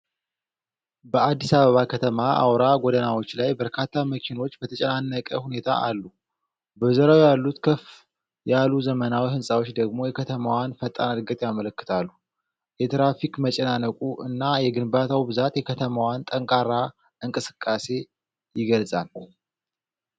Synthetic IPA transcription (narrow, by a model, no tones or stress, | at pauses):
bəad̪ːisaβəβakʰət̪ʰəmaʔa̰wɾaɡʷod̪ənawo̞t͡ʃːlajbəɾkʰat̪ʰːaməkʰino̞t͡ʃːbət̪ʰət͡ʃʼɛnanːəkʼəhune̞t̪ʰa̰ʔalːu | bəzəɾawjalːut̪kʰəf | jaluzəmənawihɨnsʼawo̞t͡ʃːd̪əɡmo̞jɛkʰət̪ʰəmawanfət̪ʼa̰nəlɡət̪ʼjamələkːɨ̥t̪ʰalːu | jɛt̪ɾafikmət͡ʃʼɛnanəkʼuʔɨnːajɛɡɨnbat̪ʰawibɨzat̪jɛkʰət̪ʰəmawant̪ʼəŋkʼaɾa | ɨŋkʼɨsɨ̥kʼːase̞ | jɪɡəlzʼa̰l